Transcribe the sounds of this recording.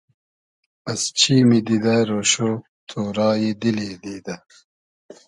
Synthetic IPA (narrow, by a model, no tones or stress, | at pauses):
ɐst͡ɕʰimid̪id̪aɾoɕo | t̪ʰoːɾaːjid̪ilid̪id̪ɐ